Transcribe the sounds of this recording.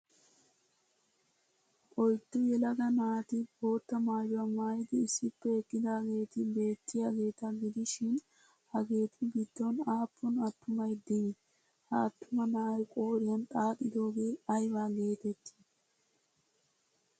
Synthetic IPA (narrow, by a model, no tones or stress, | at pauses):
ʔɔjt̪ːʊjɛlɐɡɐnaːt̪ɪbo̞ːt̪ːɐmaːjʊɐmaːjɪd̪ɪːsɪpːɛɛkːɪd̪ɐɡe̞ːt̪ɪbe̞ːt̪ːɪjɐɡe̞ːt̪ɐɡɪd̪ɪʃɪn | hɐɡe̞ːt̪ʰɪbɪd̪ːonaːpːʊnɐt̪ːʊmɐjd̪ɪ | hɐːt̪ːʊmɐnaːjkʼoːɾɪjɐnt̪ʼaːt̪ʼɪd̪o̞ːɡeːɐjbaɡe̞ːt̪ɛt̪ːɪ̥